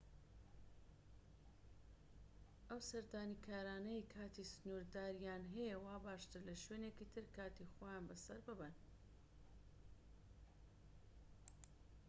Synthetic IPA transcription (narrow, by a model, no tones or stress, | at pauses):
ʔɐwsɐɾd̪aːnikʰaːɾaːnɐjkʰaːt̪isɨnuɾd̪aːɾijaːnɦɛjewaːbaːʃt̪ɨɾlɐʃweːnekiːt̪ʰɨɾkaːt̪ixwajaːnbɐsɐɾbɨbɨn